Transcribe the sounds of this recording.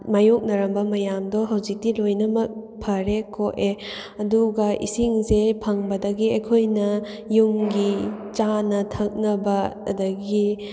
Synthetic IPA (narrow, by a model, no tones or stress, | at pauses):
majok̚nɐɾɐmbɐmɐjamdɔɦɐwzik̚tilojnɐmɐk̚pʰɐɾekʰoʔe | ɐduɡɐʔḭsiŋzepʰɐŋbɐdɐɡiɐkʰojnɐ | jumɡit͡ʃanɐtʰɐk̚nɐbɐɐ̰dɐɡi